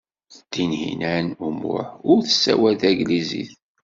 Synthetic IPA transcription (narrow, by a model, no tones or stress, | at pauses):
θəd̪̥inhḭnænumʊ̰ħʊɾθəsːæwæðæɡlizḭθ